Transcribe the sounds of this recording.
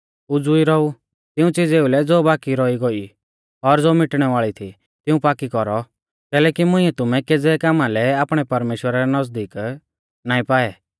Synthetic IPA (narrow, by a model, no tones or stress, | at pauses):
ʊd͡zʊiɾɔu | t̪ɪũt͡sɪd͡zeːulɛd͡zoːbaːkiɾɔiɡɔi | ɔɾd͡zoːmɪʈɽ̃ɛʋaːɭit̪ʰi | t̪ɪũpaːkikɔɾɔ | kɛːlɛːkimʊ̃ĩɛt̪ʊmɛked͡zɛkaːmalɛaːpɽ̃ɛpɐɾmeːʃwəɾaɾɛnɐsd̪iːk | naːĩpaːɛ